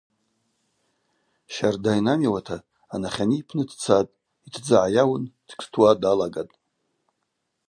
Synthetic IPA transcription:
ʃardajnamiwatʰaː | naχʲaniːpʰnɨdʰt͡sʰatʼ | itʰd͡zaʕajawʊnd̥ʰkʰʼstʰwadalaɡatʼ

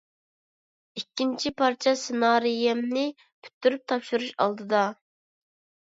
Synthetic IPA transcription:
ikʲːint͡ʃʰipʰɑɾt͡ʃʰɛsɪnɑːɾijɛmnɪ | pʰy̥t̪ʰːyɾyp̚t̪ʰɑpʃuɾuʃɑ̰lˠd̪ɨd̪ɑ

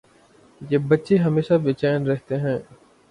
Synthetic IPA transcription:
jeːbɐtːʃeɦɐmeːʃaʋɪt͡ʃaːənɾɛɦt̪eɦɛ̃ː

